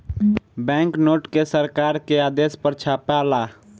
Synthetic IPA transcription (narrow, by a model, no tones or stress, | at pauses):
bɛ̃ŋknoːʈkesəɾkaːɾkeaːd̪espəɾt͡ʃʰaːpala